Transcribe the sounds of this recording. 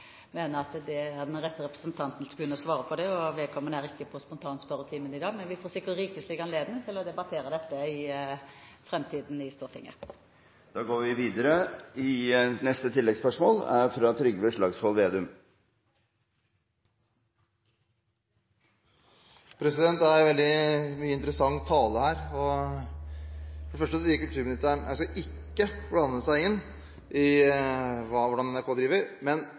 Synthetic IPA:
meːnəɾɑt̪d̪ɛæʁd̪ɛnʁɛt̪ːəɾɛpɾə̥sənt̪ʰɑnt̪n̩t̪ʰɡʉnːəʁɔsʋɑːɾəpʰɔd̪ɛɔʋɛlkʰɔmːənæːʁɪkːəpʰɔspʊnt̪ʰɑːnspœɾət̪ʰiːmənɪd̪ɑːɡmɛnʋɪfɔsøːkːəʁiːkəslɪɡɑnleːd̪nɪŋt̪ʰɪlɔd̪ɛbɑt̪ʰeːɾəd̪ɛt̪ːəɪ | fɾɛmt̪ʰiːd̪n̩ɪst̪uːʁt̪ʰɪ̰ŋːə̰ | d̪̥ɑːɡoːʋɪʋiːd̪əɾəɪnɛst̪ət̪ʰɪlːɛɡspœʂmoːlæɾfɾɑt̪ʰɾʏɡʋəʂlɭɑːɡshɔlʋeːd̪ʉm | pʰɾɛsɪd̪ɛnt̪æɾʋɛld̪ɪmyːəɪnt̪əɾəsɑŋt̪ʰːɑːləhæːɾɔ | fɔɖɛfœʂʈəsɔiːkʉlt̪ʰʉːɾmɪnɪst̪æːɳæskɑʔɪkːəblɑnəsæɪɪnː | ʔɪ | ʋɑːʋʊɖɑnɛnæɾkʰoːd̪ɾiːʋəɾmɛn

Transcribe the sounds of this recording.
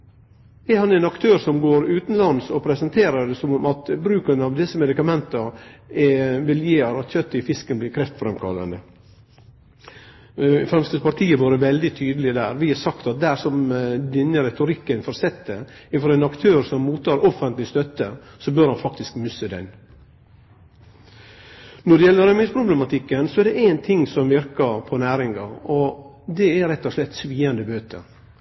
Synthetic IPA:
ɛhɑnɛnɑkt̪ʰøːɾsɔmɡoːɾʉːt̪n̩lɑnsɔpʰɾɛsɑnt̪ʰeːɾəd̪ɛsɔmɔmɑt̪bɾʉːkənɑʋd̪ɪsəmɛd̪ɪkɑmɛnt̪əɛʋɪljeːɾɑçœt̪ːɪfɪskənblɪːɾkʰɾɛft̪fɾɛmkʰɑ̰lːə̰nə | fɾɛmst̪əspɑɾt̪ʰiːəʋoːɾəʋɛld̪ɪt̪ʰyːd̪əlɪd̪æ̰ːɾʋɪhɛsɑkt̪ɑt̪̚d̪æɾsɔmd̪ɪnːəɾɛt̪ʊɾɪkːənfɔɾsɛt̪ːəɪfɔɾɛnɑkt̪ʰøːɾsɔmːuːt̪ːɑːɾɔfənt̪lɪst̪œt̪ːəsɔbøːɾhɑnfɑk̚t̪ɪskmʏsːəd̪ɛ̰n | nɔɖɛjɛlːəɾɛmɪspʰɾʊblɛmɑt̪ʰɪkːənsɔɛɖɛʔænt̪ʰɪŋsɔmʋɪɾkɑɾpʰɔnæːɾɪŋɡɑɔ | d̪ɛæɾɛt̪ːɔʂlɛt̪ːsʋiːɑnd̪əbøːt̪ʰə̰

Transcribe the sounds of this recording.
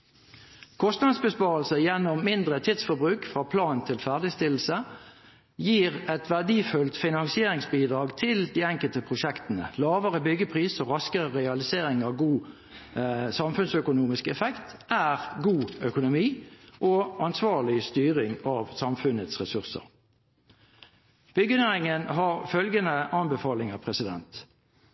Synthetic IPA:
kʰɔst̪nɑd̪sbəspɑːʁəlsəjɛnːɔmmɪnd̪ʁət̪ʰɪt̪sfɔbʁʉːkfʁɑːpʰlɑːnnt̪ʰɪlfæːʁd̪ɪst̪ɪl̩ːsə | jiːʁɛt̪ʋæʁd̪iːfʉlt̪fɪnɑŋsɪeːɾɪŋsbiːd̪ʁɑːɡt̪ʰɪld̪iːɛŋkəlt̪əpʰʁʊʃɛkt̪ənə̰lɑːʋəʁəbʏɡːəpʰʁiːsɔʁɑskəʁəʁɛɑlɪseːʁɪŋɑʋɡuː | sɑmfʉnsœkʊnuːmɪskɛfɛkt̪ʔæːʁɡuːœkʊnʊmiːʔɔɑnsʋɑːʁɭɪst̪yːʁɪŋɑʋsɑmfʉnət̪sʁɛsʉʁsə̰ʁ | b̥ʏɡːənæɪŋənɦɑʁfœlɡənəʔɑnbəfɑːlɪŋəpʰʁɛsɪd̪ɛ̰nt̪

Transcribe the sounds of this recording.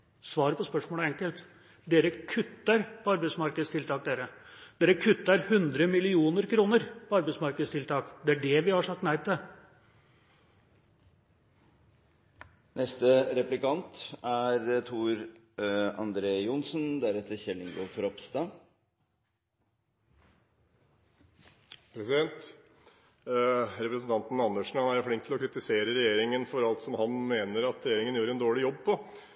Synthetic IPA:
sʋɑːɾəpɔspœʂmoːləɛŋkəlt̪ | d̪eːɾəkʰʉt̪ːəɾpʰɔɑɾbæɪsmɑɾkəd̪əst̪ɪlt̪ʰɑːk̚d̪eːɾəd̪̥eːɾəkʰʉt̪ːəɾhʉnd̪ɾəmɪlɪuːnəɾkʰɾuːnəɾpʰɔɑɾbæɪsmɑɾkəd̪əst̪ɪlt̪ʰɑːkd̪ɛæɖɛʋɪhɑʂɑk̚t̪næɪd̪t̪ʰɪ | nɛst̪əɾɛplɪkɑnt̪æɾt̪ʰuːɾ | ɑ̰nd̪ɾeːjʊnsnd̪æɾɛt̪ːəçɛlːɪŋɡoːfɔɾɔpst̪ɑː | pʰɾɛsɪd̪ɛnt̪ | ɾɛpɾəsn̩t̪ɑnt̪n̩ɑnːəʂɳ̩hɑnæɾjʊfɽɪŋkt̪ʰlɔkʰɾɪt̪ɪseːɾəɾɛjeːɾɪŋənfɔɾɑlt̪sɔmhɑnmeːnəɾɑt̪ɾɛjeːɾɪŋənjʉːɾɛnd̪oːɭɪjɔb̚pʰɔ

